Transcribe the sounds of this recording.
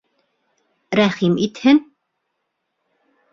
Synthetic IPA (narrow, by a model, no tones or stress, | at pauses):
ɾæχimit̪hɘn